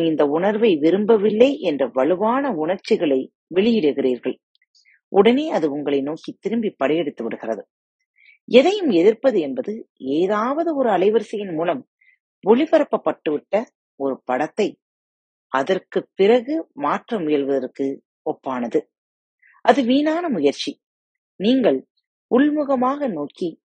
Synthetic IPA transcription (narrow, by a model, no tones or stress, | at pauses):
ɪnd̪ɐʊɳɐɾʋɐɪʋɪɾɯmbɐʋɪlːɐɪʔɛndrɐʋɐɭɯʋaːnɐʊɳɐɾt͡ʃːɪɣɐɭɐɪ | ʋɛɭɪjɪɽɯɣɪriːɾɣɐɭ | ʔʊɽɐneːɐðɯʊŋɡɐɭɐɪnoːkit̪ːɪɾɯmbipːɐɽɐjɛɽɯt̪ːɯʋɪɽɯɣɪrɐ̰ðɯ | ɛðɐjɯmɛðɪɾpɐðɯɛnbɐðɯeːðaːʋɐðɯɔɾɯɐlɐɪʋɐɾsɐjɪnmuːlɐm | ʋɔɭɪpɐɾɐpːɐpːɐʈːɯʋɪʈːɐ | ɔɾɯpɐɽɐt̪ːɐɪ | ɐðɐrkɯpːɪrɐɣɯmaːʈrɐmʊjɐɭʋɐðɐrkɯ | ɔpːaːnɐðɯ | ʔɐðɯʋiːnaːnɐmʊjɐɾt͡ʃi | niːŋɡɐɭ | ʊɭmɯɣɐmaːɣɐnoːki